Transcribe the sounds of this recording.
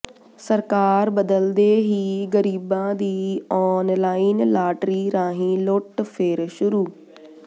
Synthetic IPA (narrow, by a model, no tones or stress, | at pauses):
səɾkaːɾbəd̪əld̪eːɦiːɡəɾiːbãːd̪iːɔːnlaːinlaːʈɾiːɾãːɦĩːloːʈpʰeːɾʃʊɾuː